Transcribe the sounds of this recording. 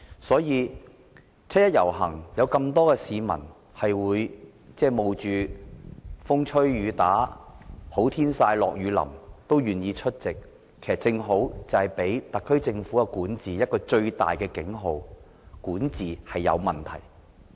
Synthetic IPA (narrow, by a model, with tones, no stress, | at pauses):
sɔː˨˥jiː˨˧ | t͡sʰɐ˥jɐ˥t̚jɐ̰˨˩wɦɐ˨˩ŋjɐ˨˧wkɐ˧mt̪ɔː˥kɛː˧siː˨˧mɐ̰˨˩n | hɐ˨jwuː˨˧j | t͡sɛː˥˩mo˨wt͡ʃyː˨˧ | fʊ˥ŋt͡ʃʰɵ˥ɥːyː˨˧t̪aː˨˥ | ho˨˥wt̪ʰiː˥nsaː˧jlɔ̰ː˨k̚jyː˨˧lɐ̰˨˩mt̪o˥wjyː˨njiː˧t͡ʃʰɵ˥t̚t͡sɪ˨k̚ʰː | e˨˩sɐ˨˩t͡sɪ˧ŋɦo˨˥wt͡sɐ˨whɐ˨jpe˨˥jt̪ɐ˨k̚ʰːɵ˥ɥt͡sɪ˧ŋfuː˨˥ɐ˧kuː˨˥nt͡siː˨jɐ˥t̚kɔː˧t͡ʃɵ˧ɥt̪a̰ː˨jkɛː˧kɪ˨˥ŋɦo˨˧w | kuː˨˥nt͡siː˨hɐ˨jːɐ̰˨˧wmɐ˨˩nt̪ʰɐ̰˨˩j